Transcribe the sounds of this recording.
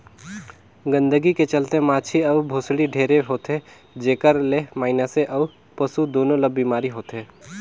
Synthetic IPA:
ɡə̃nd̪əɡiket͡ʃɐlt̪emaːt͡ʃʰiɐʋbʱoːsɽiɖʱeːɾeɦoːt̪e | d͡ʒeːkəɾlemaːɪnəseʔɐʋ | pɐsud̪oːnõləbbːiːmaːɾiɦoːt̪ɦeː

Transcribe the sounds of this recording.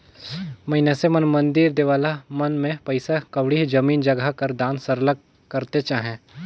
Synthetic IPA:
mɐɦɪnesemɐnmɐ̃nd̪iɾd̪eːʋaːlamɐnmẽpɐɪsakɐʋɽiɦid͡ʒɐmiːnd͡ʒɐɡakɐɾd̪ãːnsɐɾlək | kɐɾt̪et͡ʃaːɦẽː

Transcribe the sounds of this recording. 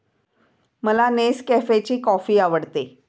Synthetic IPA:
məlaneskɛfet͡ɕiːkɔfiːaʋəɽt̪e

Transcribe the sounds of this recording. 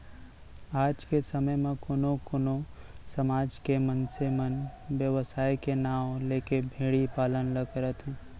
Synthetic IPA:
aːd͡ʒkesəməjmẽkonokoːnosəmaːd͡ʒkemənsemənbjəʋəsaːikenaːõlekebʱeːɽipaːlənləkəɾət̪ɦũ

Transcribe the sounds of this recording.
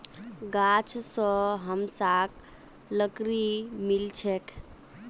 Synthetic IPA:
ɡat͡ʃʰsəɦəmsak | ləkɾimilt͡ʃʰek

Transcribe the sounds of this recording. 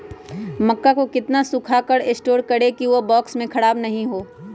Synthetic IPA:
mɐkːakokɪt̪nasʊkʰakəɾɪsʈoːɾkɐɽekiʋobɔːksmẽkʰɐɽaːbnɐɦĩɦoː

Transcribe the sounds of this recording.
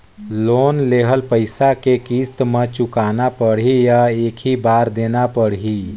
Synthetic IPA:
loːnleːɦəlpəɪsakekiːst̪mẽt͡ʃʊkaːnapəɽ̤ɦijaeːkʰɦibaːɾd̪eːnapəɽɦi

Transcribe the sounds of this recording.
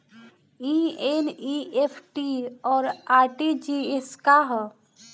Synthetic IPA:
ĩeniepʰʈiɔːɾaːɾʈid͡ʒieskaɦ

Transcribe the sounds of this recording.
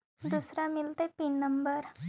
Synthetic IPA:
d̪usɾamɪlt̪epinːəmbəɾ

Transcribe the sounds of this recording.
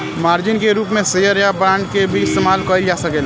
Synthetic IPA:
maːɾd͡ʒɪnkeɾuːpmẽsejəɾjabɾãːɳɖkebʱiɪst̪emaːlkɔɪld͡ʒaːsɐkeːl

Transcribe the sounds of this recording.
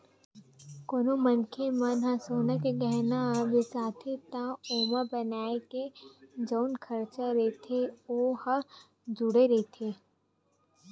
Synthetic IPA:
koːnomɐnkʰemanɦãsoːnakeɡɛɦnabesaːt̪ʰet̪ãoːməbɐnaːeked͡ʒəʊnkʰɐɾt͡ʃaɾeːt̪ʰeohə | d͡ʒʊɽeɾɛt̪ʰeː

